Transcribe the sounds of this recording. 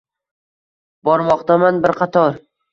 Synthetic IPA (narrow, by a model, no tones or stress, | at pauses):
bɒɾmɒqt̪amanbɪɾqʰɑt̪ʰɒɾ